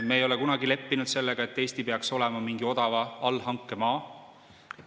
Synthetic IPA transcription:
meːjo̞lɛkunɑɡile̞pːinud̪̥se̞lːeɡ̥ɑet̪ːe̞ːst̪ipe̞ɑkso̞lɛmɑmiŋɡio̞d̪̥ɑvɑɑlːɦɑŋkːˑe̞mɑː

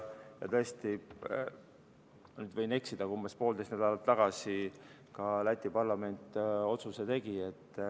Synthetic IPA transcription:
jɑ̰t̪ɤest̪i | nyːd̪̥vɤjne̞ksid̪̥ɑkumbespo̞ːld̪est̪næd̪ɑlɑt̪ːɑɡ̥ɑsi | kɑlæt̪ʲːˑipɑrlɑme̞nt̪ˑːo̞t̪suse̞t̪e̞ɡ̥ie̞t̪ːˑ

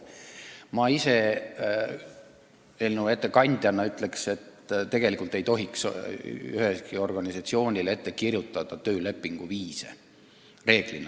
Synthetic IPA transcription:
mɑise̞ | elnue̞t̪ːˑe̞kɑnʲd̪̥ʲjɑnːɑyt̪ˑle̞kse̞t̪t̪e̞ɡ̥e̞likult̪e̞jt̪o̞ɦiks | yɦheskio̞rɡ̥ɑnʲisɑt̪sio̞ːnʲile̞t̪ːe̞kirjut̪ˑːɑd̪̥ɑt̪ø̞ːle̞pːˑiŋɡ̥uviːsḛ | re̞ːɡ̥linɑ

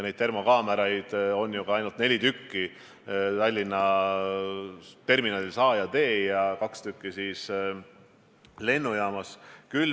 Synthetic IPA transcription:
ne̞jd̪̚t̪e̞rmokɑːmeɾɑjd̪̥o̞njuɡ̥ɑɑjnult̪ne̞lʲit̪ykːi | t̪ɑlʲːinːɑ | t̪e̞rminɑlʲilsɑːjɑt̪e̞ːjɑkɑkst̪ykːisiːs | le̞nːujɑːmɑskyl

